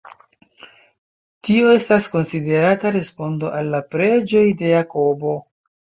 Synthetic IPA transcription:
tio̞e̞stasko̞nside̞ɾataɾe̞spo̞ndo̞̰ʔalːapɾe̞d͡ʒo̞jde̞jako̞bo̞

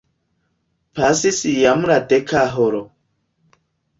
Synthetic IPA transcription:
pʰasisijamɾadekʰaɦoɾo

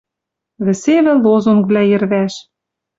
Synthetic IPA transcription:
βɘ̆seβɘ̆lozonkβlæjɘ̆rβæʃ

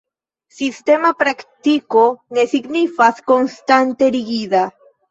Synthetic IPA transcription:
sist̪emapɾakt̪ikonesiɡnifaskonst̪ant̪eɾiɣiða

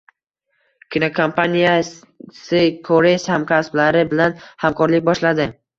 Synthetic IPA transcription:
kʲɪnokʰompʰanija | sɪkʰoɾeshamkʲʰasblaɾɪbɪlanhamkʰɒɾlɪk̚ʲbɒʃlad̪ɪ

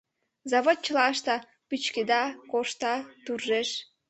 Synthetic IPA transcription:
zɑβot̪̚t͡ɕəlɑʃt̪ɑ | pyt͡ɕked̪ɑkoʃt̪ɑt̪urʒeʃ

